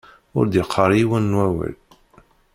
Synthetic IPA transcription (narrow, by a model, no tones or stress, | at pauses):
ʊ̰ɾd̪iqʰːəɾˤiwænːwæwə̰l